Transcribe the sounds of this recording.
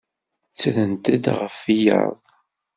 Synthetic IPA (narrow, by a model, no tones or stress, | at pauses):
t͡sːɾənt̪æd̪ʁəfijə̰ɾˤðˤ